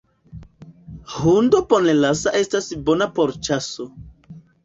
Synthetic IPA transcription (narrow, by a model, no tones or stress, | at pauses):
hundoponelasaʔe̞stasbo̞napoɾt͡ʃaso